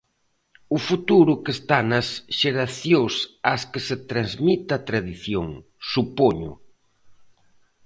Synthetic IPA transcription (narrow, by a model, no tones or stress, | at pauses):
ʊfut̪uɾʊkest̪anɐsʃeɾaθjosaskeset̪ɾanzmit̪ɐt̪ɾaðiθjoŋ | supoɲʊ̰